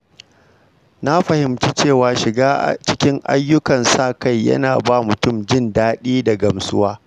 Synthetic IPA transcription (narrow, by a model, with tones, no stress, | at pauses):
na˦ɸɐ˨hɪ˨mt͡ʃi˦t͡ʃeː˦˨waː˨ʃɪ˨ɡaː˦ʔt͡ʃɪ˦kʲɪ˦ŋʔa̰˦jːʊ˦kɐ˨nsaː˦˨ka˦˨jːɐ̰˦naː˨baː˦mʊ˨tʊ˦md͡ʒɪ˦ndaː˦ɗiː˦da˨ɡɐ˨msʊ˦waː˦